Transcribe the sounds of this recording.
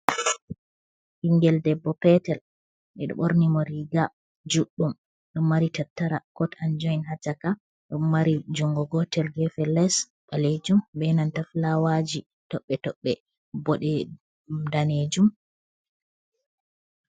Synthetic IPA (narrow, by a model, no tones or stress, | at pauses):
hiŋɡɛldɛbːɔpɛtɛl | ʔɛɗɔ̰ɓo̰ɾnimɔɾiɡa | d͡ʒuɗːum | ɗumːaɾitatːaɾakɔtand͡ʒɔinhat͡ʃaka | ɗumːaɾid͡ʒuŋɡɔɡɔtɛlɡɛfɛlɛs | ɓaled͡ʒumbɛnantaflawad͡ʒi | tɔɓːɛtɔɓːɛ | bɔɗɛ | daned͡ʒum